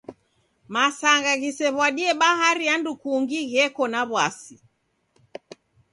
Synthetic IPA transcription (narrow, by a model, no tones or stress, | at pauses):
masaŋɡaɣisɛβwaɗiɛɓaɦaɾiandukuŋɡiɣɛkɔnaβwasi